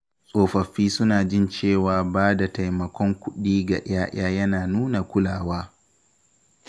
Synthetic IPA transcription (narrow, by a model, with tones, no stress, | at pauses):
sʼoː˨ɸɐ˨ɸːiː˦sʊ˦naː˨d͡ʒɪ˦˨nt͡ʃeː˦˨waː˨baː˦da˨ta˨jmɐ˨kʷʰɔ˦ŋkʷʊ˦ɗiː˦ɡa̰˨ʔɪ̰˦aː˦ʔaː˦jɐ˦naː˨nuː˦na˨kʷʊ˦laː˨waː˦